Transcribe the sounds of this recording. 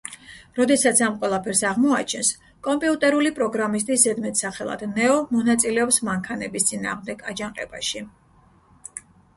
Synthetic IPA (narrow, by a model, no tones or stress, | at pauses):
ɾɔd̪ɛsat̪sʰamqʼwɛlˠapʰɛɾsaʁmɔat͡ʃʰɛns | kʼɔmpʼiut̪ʼɛɾulipʼɾɔɡɾamis̬t̪ʼiszɛd̪mɛt̪ʰsaχɛlˠa̰d̪nɛɔmɔnat̪sʼilɛɔpsmaŋkʰanɛbist̪sʼina̰ːʁmd̪ɛɡad͡ʒaŋqʼɛ̰ba̰ʃi